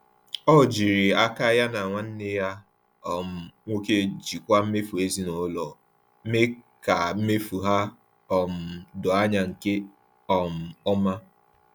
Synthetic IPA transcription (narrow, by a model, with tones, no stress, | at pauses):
ɔ˦˨d͡ʒi˨ɾi˨a˦ka˦ja˦na˨ŋʷa˨n̩˦nɪ˦ja˦ | ɔ˨m̩˨ŋʷo˦ke˦d͡ʒi˨kʷa˦m̩˦me˦fu˨e˦zi˦no˨˦lɔ˨ | m̩˦me˦ka˨m̩˦me˦fu˨ɦa˦ | ɔ˨m̩˨dʊ˨a˦ɲa˨ŋ̩˨ke˦ | ɔ˨m̩˨ɔ˦ma˦